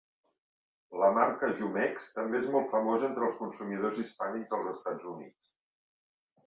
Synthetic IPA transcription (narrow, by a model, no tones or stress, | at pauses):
ləmaɾkəʒumɛkst̪əmbeezmɔlˠt̪fəmozent̪ɾəlˠskunsumið̞ozispanikzðəlˠzəst̪ad͡zunḭt͡s